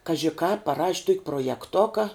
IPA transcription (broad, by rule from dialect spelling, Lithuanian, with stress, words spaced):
ˈkɑːʒʲɪ kɑːp pɐˈrɐʃʲ ˈtuɔkʲ proːjɛˈktʊkɐ